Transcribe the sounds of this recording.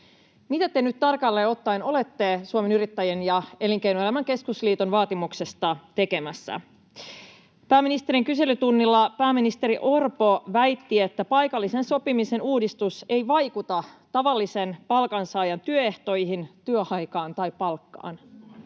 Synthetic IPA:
mit̪æt̪enyt̪t̪ɑrkɑlːeːo̞t̪ːɑino̞le̞t̪ːe̞suome̞nyɾit̪ːæjenjɑe̞liŋk̟ejnoelæmæŋke̞skusliːt̪onʋɑːt̪imukse̞st̪ɑt̪e̞ke̞mæsːæ̰ | pæːmːinist̪e̞ɾiŋkyse̞lyt̪unːilːɑpæːmːinist̪e̞ɾiʔo̞rpo̞ʋæjt̪ːie̞t̪ːæpɑjkɑlːise̞nso̞pimise̞nuːdist̪use̞jʋɑjkut̪ɑt̪ɑʋɑlːise̞npɑlkɑnsɑːjɑnt̪yøe̞ht̪o̞jɦint̪yøɑjkɑːnt̪ɑjpɑlkːɑ̰ːn

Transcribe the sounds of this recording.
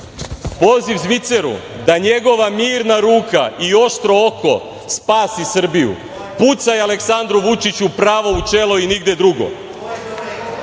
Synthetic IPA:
po̞ziʋzʋit̪se̞ɾṵd̪aɲe̞ɡo̞ʋamiːɾnaɾuːka̰io̞ʃt̪ɾo̞oko̞ | spaːsisr̩bijṵ | put̪sajeale̞ksand̪ɾuʋut͡ʃit͡ɕupɾaːʋo̞ut͡ʃe̞lo̞iniɡd̪e̞d̪ɾuɡo̞̰

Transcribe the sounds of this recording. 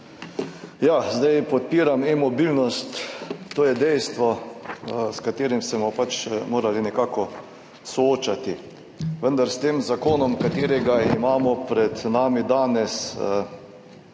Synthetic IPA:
jaːzd̪ajpɔt̪̚piːɾamɛmɔbilnɔst̪ːoːjɛd̪ɛjst̪ʋɔ | skat̪eːɾimsɛmɔpat͡ʃmoːɾalinɛkaːkɔ | sɔoːt͡ʃat̪i | ʋənd̪aɾst̪eːmzakoːnɔmkat̪eːɾɛɡaimaːmɔpɾɛd̪naːmid̪aːnɛsə

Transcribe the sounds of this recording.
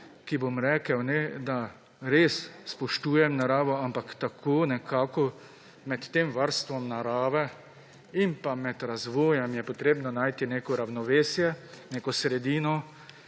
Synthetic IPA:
kibomɾɛːkəwnɛd̪a | ɾeːsspɔʃt̪uːjɛmnaɾaːʋɔampakt̪akʰoːnɛkʰaːkɔ | mɛt̪ːeːmʋaɾst̪ʋɔmnaɾaːʋɛ | impamɛd̪ɾazʋɔːjɛmjɛpɔt̪ɾeːbnɔnaːjt̪ineːkɔɾawnɔʋeːsjɛneːkɔsɾɛd̪iːnɔ

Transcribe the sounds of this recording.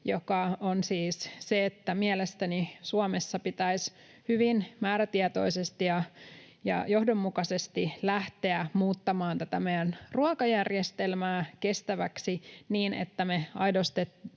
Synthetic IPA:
jokɑonsiːsseet̪ːæmielest̪ænisuɑmesːɑpit̪æis | hyʋinmæːɾæt̪iɛt̪o̞isest̪ijɑ | jɑ̰johdomːukɑsest̪ilæht̪eæmuːt̪ːɑmɑːnt̪æt̪æmejænruɑkɑjærjest̪elmæːke̞st̪æʋæksiniːnḛt̪ːæmeɑjdost̪et̪ː

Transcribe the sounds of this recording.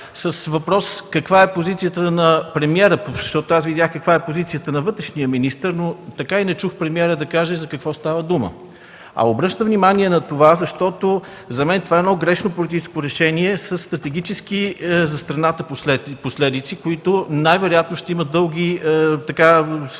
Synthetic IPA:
səsvɐpɾɔskɐkvaɛpozit̪sijət̪ənɐpɾɛmiɛɾəʃt̪ɔt̪oasvid̪ʲjaxkəkvaɛpozit̪sijət̪ənɐvɤt̪ɾɛʃnijəminist̪əɾnot̪ɐkainɛt͡ʃuxpɾɛmiɛɾəd̪ɐkaʒəizɐkɐkvɔst̪avəd̪umə̰ | ɐ̰obɾɤʃt̪əvnimaniɛnɐt̪ovazɐʃt̪ɔt̪o | zɐmɛnt̪ovaɛnɔɡɾɛʃnopolit̪it͡ʃɛskoɾɛʃɛniɛsəsːt̪ɾɐt̪ɛɡ̟it͡ʃɛsk̟izɐst̪ɾɐnat̪əpɛposlɛd̪it̪sikoit̪ʊnajvɛɾojat̪noʃt̪ɛiməd̪ɤlˠɡʲit̪ɐka

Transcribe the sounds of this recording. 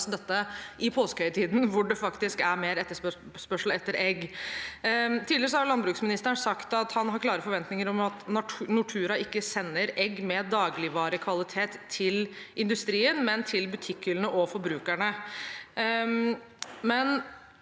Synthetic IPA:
sd̪ɛt̪ːəʔɪpʰoːskəhœʏət̪ʰiːd̪nʋʊɖɛfɑkt̪ɪskæɾmeːɾɛt̪ːəʂ | ʂpœʂl̩ɛt̪ːəɾɛɡː | t̪ʰiːd̪ɪɾəsɔhɑɾjlɑnbɾʉːksmɪnɪst̪əɾəɳsɑkt̪ɑt̪hɑnɦɑɾkʰlɑːɾəfɔɾʋɛnt̪nɪŋəɾɔmɑt̪nɑnʊʈʰʉːɾɑʔɪkːəsɛnːəɾɛɡːmɛd̪ɑːɡlɪʋɑːɾəkʰʋɑlɪt̪ʰeːt̪ʰːɪl | ʔɪnd̪ʉst̪ɾiːənmɛnt̪ʰɪlbʉt̪ʰɪkːʏlənəʔɔfɔɾbɾʉːkæɳə | mɛn

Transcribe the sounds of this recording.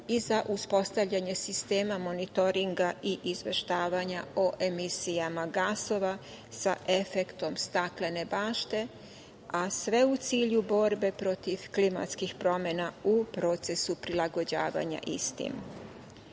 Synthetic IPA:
izaʔuspo̞st̪aʋʎaɲe̞sist̪e̞ːmamo̞nit̪o̞ɾiŋɡaiʔizʋe̞ʃt̪aːʋaɲaoʔe̞misijamaɡaːso̞ʋa | sa̰ʔe̞fe̞kt̪o̞mst̪aklenebaːʃt̪e̞ | asʋe̞ut̪siːʎubo̞ɾbe̞pɾo̞t̪iʋklima̰t̪skixpɾo̞mje̞naupɾo̞ːt̪se̞supɾilaɡo̞d͡ʑa̰ːʋa̰ɲa̰ʔist̪ḭm

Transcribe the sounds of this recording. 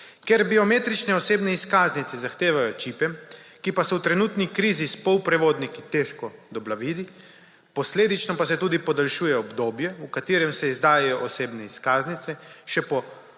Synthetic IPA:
keɾbiɔmeːt̪ɾit͡ʃnɛɔseːbnɛiskaːznit̪sɛzaxt̪eːʋajɔt͡ʃipɛmkipasɛwt̪ɾɛnuːt̪nikɾiːzispɔwpɾɛʋoːd̪nikit̪eʃkɔd̪ɔblaʋiːd̪i | pɔsleːd̪it͡ʃnɔpasɛt̪uːd̪ipɔd̪alʃuːjɛɔbd̪oːbjɛukat̪iːɾɛmsɛizd̪aːjɛjɔʔɔseːbnɛiskaːznit̪ɛʃɛpɔ

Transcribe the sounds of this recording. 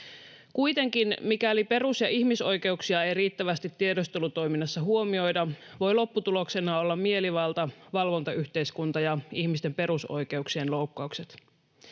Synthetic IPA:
kujt̪e̞ŋkinmikæolipe̞rusjɑʔihmiso̞jke̞uksiɑejriːt̪ːæʋæst̪it̪ːiedo̞st̪elut̪o̞jminːɑsːɑɦuo̞mio̞jdɑʋo̞jlo̞pːut̪ulo̞kse̞nɑo̞lːɑmmie̞liʋɑlt̪ɑʋɑlʋo̞nt̪ɑyçt̪e̞iskunt̪ɑjɑiçmist̪e̞mpe̞ɾuso̞̰jke̞uksienlo̞ukːɑukset̪

